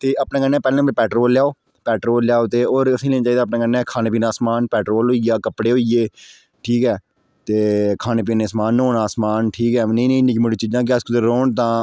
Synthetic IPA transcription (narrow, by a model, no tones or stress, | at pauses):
t̪eːʔapnãːkənːɛ̃ːpɛːlːəpɛːʈɾoːlːjaːoː | pɛːʈɾoːljaːoːt̪eːoːɾəsĩːleːnaːt͡ʃaːiːd̪aːp̬naːkənɛ̃ːkʰaːneːp̬iːnaːsmaːnpɛːʈɾoːlɦoijaːkəpɽeːɦoieː | ʈʰiːkɛː | t̪eːkʰaːneːpiːneːsmaːnːoːnaːsmaːnʈʰiːkɛːnĩːnəĩːnɪkmʊɖiːt͡ʃiːd͡ʒãːk̬ɪəskʊd̪əɾɾoːɳt̪ãː